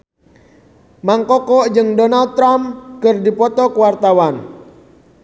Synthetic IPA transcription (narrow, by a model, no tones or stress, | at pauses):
maŋkɔkɔʔd͡ʒɨŋdɔnald̪̚t̪ːɾamkərdipɔt̪ɔkəwart̪awan